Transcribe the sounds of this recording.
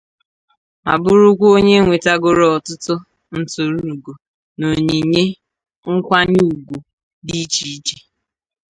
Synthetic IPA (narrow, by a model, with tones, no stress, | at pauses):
a̰˨bʊ˦ɾʊ˦kʷo˦ɲe˦ŋʷe˨ta˦ɡʊ˨ɾɔ˨tʊ˦tʊ˦ | n̩˨to˨ɾu˦˨ɡo˨ | no˨ɲi˨ɲe˦ | ŋ̩˦kʷa˦ɲ˦u˨ɡʷu˨ | di˦t͡ʃi˨˦t͡ʃe˦